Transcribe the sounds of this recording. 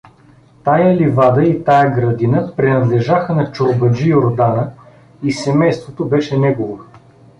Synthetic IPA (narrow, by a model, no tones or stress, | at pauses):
t̪ajəlivad̪əit̪ajəɡɾɐd̪inəpɾɛnɐd̪lɛʒaxənɐt͡ʃobɐd͡ʒijoɾd̪anə | isɛmɛjst̪vot̪obɛʃɛnɛɡovo